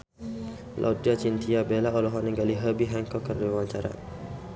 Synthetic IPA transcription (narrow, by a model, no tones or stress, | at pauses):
lʔa̰diat͡ʃint̪ʰiabelaɔlɔɦɔniŋɡaliɦəbiɦaŋkɔkərdewaɲt͡ʃaɾa̰